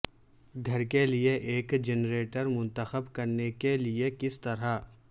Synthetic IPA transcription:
ɡʱɐɾkelieʔeːkd͡ʒɛnɾeːʈəɾmʊ̃nt̪əxəbkɐɾnekeliekɪst̪ɐɾa

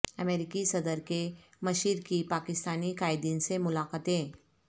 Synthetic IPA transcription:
əmeːɾɪkisɐd̪əɾke | mɐʃiːɾkipaːkɪst̪aːnikaːɪd̪ĩːnsemʊlaːkət̪ẽː

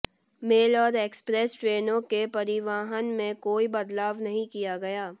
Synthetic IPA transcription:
meːlɔːɾeːkspɾɛːsʈɾeːnõkepɐɾɪʋaːɦənmẽkoːibɐd̪laːʋnɐɦĩkijaɡɐjaː

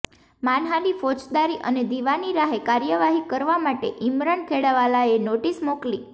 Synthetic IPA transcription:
manɦanifot͡ʃd̪aɾiʔə̰ned̪iʋaniɾaɦekaɾjəʋaɦikəɾʋamaʈeʔimɾəɳkʰeɽaʋalaenoʈismokli

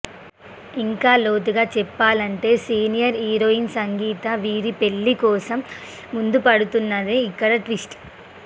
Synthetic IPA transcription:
iŋkaːlo̞ːt̪uɡaːt͡ʃɛpːaːlɐɳʈe̞ːsiːnijɐɾɦiːɾoːinsɐŋɡiːt̪ɐʋiːɾipeɭːikɔːsɐmː | und̪upɐɽut̪unːaðeikːɐɽɐʈʋisʈ

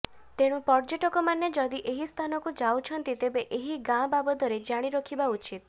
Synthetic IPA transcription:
t̪eɽ̃ũpɔɾd͡ʒeʈɔkɔmaned͡ʒɔd̪iʔeɦist̪ʰanɔkud͡ʒawt͡ʃʰɔnt̪it̪ebeʔeɦiɡãbabɔd̪ʱɔɾed͡ʒaɽ̃iɾɔkʰibaut͡ʃit̪̚

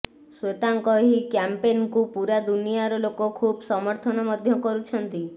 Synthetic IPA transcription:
swet̪aŋkɔɦikjampenkupuɾad̪unijaɾɔlokɔkʰubsɔmɔɾt̪ʰɔnɔmɔd̪ʱjɔkɔɾut͡ʃʰɔnt̪i

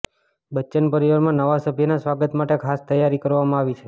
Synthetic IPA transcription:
bətːt͡ʃənpəɾiʋaɾmãnəʋasəbʱjənasʋaɡət̪maʈekʰast̪əjːaɾikəɾʋamãaʋit͡ʃʰe

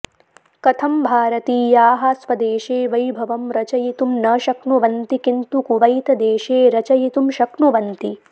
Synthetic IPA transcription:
kɐt̪ʰɐmbʱaːɾɐt̪iːjaːɦɐsʋɐd̪eːʃeːʋɐjbʱɐʋɐmɾɐt͡ʃɐjit̪umnɐːʃɐknuʋɐnt̪ikint̪ukuʋɐjt̪ɐd̪eːʃeːɾɐt͡ʃɐjit̪umʃɐkɳuʋɐnt̪i

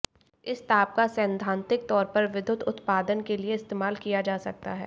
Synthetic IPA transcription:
ɪst̪aːp̚kasɛ̃ːnd̪ʱãːnt̪ɪk̚t̪ɔːɾpɐɾʋɪd̪ʱʊt̪ʊt̪paːd̪ənkelieɪst̪eːmaːlkijad͡ʒaːsɐk̚t̪aɦɛ̰ː

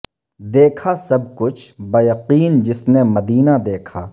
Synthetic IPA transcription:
d̪eːkʰasɐb̚kʊt͡ʃʰbɐjɐqiːnd͡ʒɪsnemɐd̪iːnad̪eːkʰaː

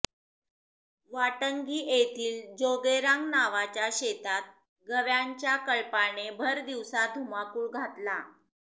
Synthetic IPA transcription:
ʋaʈəŋɡiːʔet̪iːld͡ʑoɡeɾaŋɡnaʋat͡ɕjaɕet̪at̪̚ | ɡʱəʋjaɲt͡ɕjakəɭpaɳebʱəɾd̪iʋsad̪ʱumakuːɭɡʱat̪la

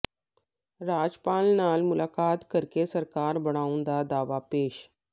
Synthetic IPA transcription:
ɾad͡zpalnalmulakat̪kəɾkesəɾkaɾbəɽ̃aũnd̪ad̪aʋapeɕ

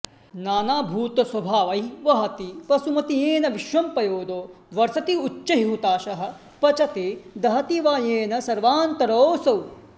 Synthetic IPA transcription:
naːnaːbʱuːt̪ɐsɐbʱaːʋɐjʋɐɦɐt̪ipɐsumɐt̪ijeːnɐʋiʃʋɐmpɐjoːd̪oː | ʋɐɾsɐt̪iut͡ʃːɐɦiɦut̪aːʃɐɦɐ̆ | pɐt͡ʃɐt̪eːd̪ɐɦɐt̪iʋaːjeːnɐsɐɾʋaːnt̪ɐɾoːsɐw

